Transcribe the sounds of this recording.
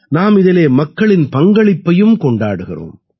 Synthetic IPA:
naːmɪðɪleːmɐkːɐɭɪnpɐŋɡɐɭɪpːɐjɯmkɔɳɖaːɽɯɣɪro̰ːm

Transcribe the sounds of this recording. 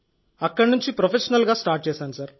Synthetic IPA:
ɐkːɐɽnuɲt͡ʃipɾopʰeʃɐnɐlɡaːsʈaːɾʈ̚t͡ʃɛːsaːnusɐɾ

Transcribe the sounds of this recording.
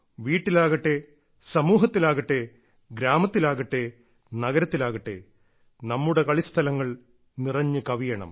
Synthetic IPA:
ʋiːʈːilaːɣɐʈːe̞ | sɐmuːɦɐt̪ːilaːɣɐʈːe̞ | ɡɾaːmɐt̪ːilaːɣɐʈːe̞ | nɐɣɐɾɐt̪ːilaːɣɐʈːe̞̰ | nɐmːuɽe̞kɐɭist̪ʰɐlɐŋːɐɭ | nirɐɲːɨkɐʋijɐɳɐ̰m

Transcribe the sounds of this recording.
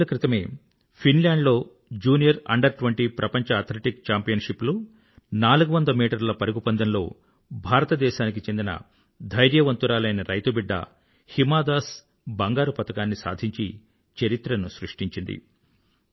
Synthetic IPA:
ɐkɾit̪ɐme̞ː | pʰinlaːɳɖlo̞ː | d͡ʒuːnijɐɾɐ̰ɳɖɐɾʈʋɐɳʈipɾʔɐpɐɲt͡ʃɐːɾt̪ʰleʈikt͡ʃaːmpijɐnʃiplu | naːluɡuʋɐnd̪ɐmiːʈɐɾlɐpɐɾiɡupɐnd̪ɐnlo̞ː | bʱaːɾɐt̪ɐd̪ɛːʃaːnikit͡ʃe̞nd̪inɐ̰ | d̪ʱɐjɾjɐʋɐnt̪uɾaːlɐjnɐɾɐjt̪ubiɖːɐ̰ | himaːd̪aːs | bɐŋɡaːɾupɐt̪ɐkaːnːisa̰ːd̪ʱiɲt͡ʃi | t͡ʃɐɾit̪ɾɐnusɾuʂʈiɲt͡ʃind̪ḭ

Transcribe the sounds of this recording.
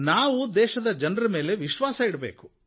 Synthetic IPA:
naːʋud̪ɛːʃɐd̪ɐd͡ʒɐnrɐme̞ːle̞ʋiʃʋaːsɐiɽbḛːku̥

